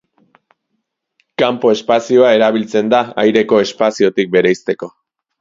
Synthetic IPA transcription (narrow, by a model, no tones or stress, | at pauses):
kampo̞e̞spasio̞ae̞ɾaβilt͡se̞nd̪aa̰jɾe̞ko̞e̞spasio̞t̪ik̚be̞ɾejst̪e̞ko̞